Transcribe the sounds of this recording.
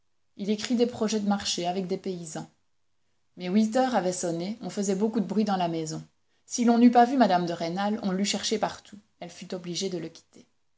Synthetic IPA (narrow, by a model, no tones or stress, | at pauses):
ilekχid̪epχɔʒɛd̪əmaʁʃeavɛk̚d̪epeizɑ̃ | mɛwit̪œʁavɛsɔneɔ̃fəzɛbokud̪əbʁɥid̪ɑ̃lamɛzɔ̃ | silɔ̃nypavymad̪amd̪əʁenalɔ̰̃lyʃɛʁʃepaʁt̪u | ɛlfyt̪ɔbliʒed̪ələkʲi̥t̪ʰe